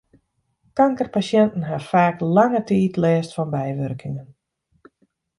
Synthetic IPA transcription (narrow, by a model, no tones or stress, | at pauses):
kaŋkərpasjɛntn̩ɦafaːklaŋətiːtlɛːstfɔnbɛjʋørkʰɪŋən